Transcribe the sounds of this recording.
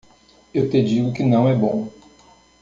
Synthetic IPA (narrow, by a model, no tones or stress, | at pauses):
ewt̪ed͡ʒiɡʊkɪnɐ̃w̃ɛbõ